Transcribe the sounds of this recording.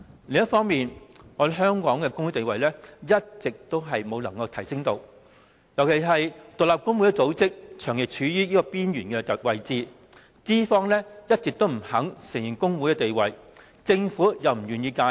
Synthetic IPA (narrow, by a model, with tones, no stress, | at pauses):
lɪ˨˧ŋjɐ˥tfɔː˥ŋmiː˨nɔː˨˧dɦœː˥ŋkɔː˨˥ŋkɛ˧kʊ˥ŋwu˨˥t̪e˨jwɐ˨jlɛː˥jɐ˥t̚t͡sɪ˨k̚t̪o˥wɦɐ˨jmo˨˧wlɐ˨˩ŋkɐ˧wt̪ʰɐ˨˩jsɪ˥ŋt̪o˧w | jɐ˨˩wkʰe˨˩jɦɐ˨jt̪ʊ˨laː˨p̚kʊ˥ŋwu˨˥jkɛ˧t͡so˨˥wt͡sɪ˥k̚t͡ʃʰœː˨˩ŋjɪ˨k̚t͡ʃʰyː˨˧jyː˥jiː˥kɔː˧piː˥njyː˨˩nkɛː˧˨wɐ˨jt͡siː˨ | t͡siː˥fɔː˥ŋlɛː˥jɐ˥t̚t͡sɪ˨k̚t̪o˥wm̩˨˩hɐ˨˥ŋsɪ˨˩ŋji˨˩nkʊ˥ŋwuː˨˥jkɛ˧t̪e˨jwɐ˨˩j | t͡sɪ˧ŋfuː˨˥jɐ˨˧wm̩˨˩ɥyː˨˩njiː˧kaː˧